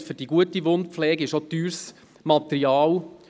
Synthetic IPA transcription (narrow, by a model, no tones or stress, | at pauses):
fʏɾdiɡuətiʋondflɛːɡɪʃot̪yːɾs | mɑt̪əɾiɑːl